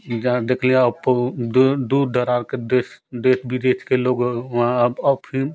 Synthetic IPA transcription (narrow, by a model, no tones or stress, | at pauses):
d͡ʒãd̪eːkʰlĩeəpd̪d̪ud̪d̪əɾaɾkedesd̪et̪ʰbʱid̪et̪ʰkeloɡãəbəpʰi